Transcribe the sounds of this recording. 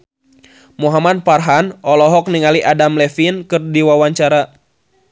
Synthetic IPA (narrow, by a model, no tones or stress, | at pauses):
muɦamad̚parɦanɔlɔɦɔk̚niŋaliʔadamlɛfinkɨrdiwawaɲt͡ʃaɾa